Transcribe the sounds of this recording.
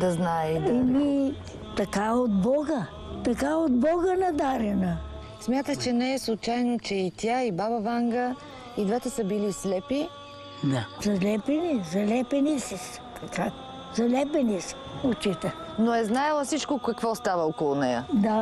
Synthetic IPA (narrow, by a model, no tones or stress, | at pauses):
d̪ɐznaɛid̪imi | t̪ɐkaod̪bɔɡə | t̪ɐkaod̪bɔɡənɐd̪aɾɛnə | smʲjat̪ət͡ʃɛnɛɛslˠut͡ʃajnot͡ʃɛit̪ʲjaibaβɐvaŋɡə | id̪vɛt̪ɛsəbilislɛpi | d̪azɐlʲɛpɛnizɐlʲɛpɛnisis | t̪ʰɐka | zɐlʲɛpɛnisə̥ | ot͡ʃit̪ɛ | noɛznajɛlˠəfsit͡ʃkokɐkvɔst̪avɐɔkolˠʊnɛjə̰d̪a